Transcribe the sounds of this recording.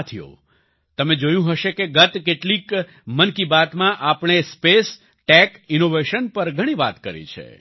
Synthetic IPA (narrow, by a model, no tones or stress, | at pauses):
t̪ʰijo̰ | t̪əmẽd͡ʒojũɦəʃekeɡət̪keʈlik | mənkibat̪mãʔapɳ̃espes | ʈɛkinoʋeʃənpəɾɡʱəɽ̃ĩʋa̰t̪kəɾḭt͡ʃʰḛ